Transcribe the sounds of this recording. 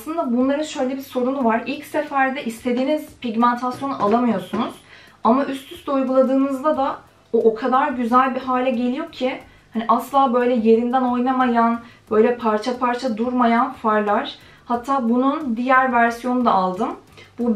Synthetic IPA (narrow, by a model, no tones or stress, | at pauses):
asˠɯnd̪abunlˠaɾɯnʃø̞jlʲɛbiɾso̞ɾunuvaɾilʲcsefæɾd̪ɛʔist̪ʰe̞d̪iːnizpʰiɟmænt̪ʰasjo̞nuʔalˠamɯjo̞ɾsunuz̥ | amaʔyst̪ʰyst̪ujɡulˠad̪ɯːnɯzd̪ad̪a | oʔokʰad̪aɾɟyzælʲbiɦaːlʲɛɟe̞lʲijo̞cʰi | haniʔaslˠaːbø̞jlʲɛje̞ɾind̪æno̞jnamajanb̥ø̞jlʲɛpʰaɾt͡ʃʰapʰaɾt͡ʃʰad̪uɾmajanfaɾlˠaɾ̥ | hat̪ʰːaːbunund̪ijæɾvæɾsijo̞nud̪aalˠd̪ɯmbu